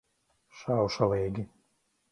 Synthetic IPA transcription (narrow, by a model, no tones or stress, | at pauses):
ʃawʃaleːɡʲi